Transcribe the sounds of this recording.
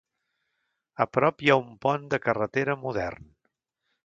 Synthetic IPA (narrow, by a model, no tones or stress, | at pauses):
əpɾɔpjaumpɔnd̪əkərət̪eɾəmuðɛ̰rn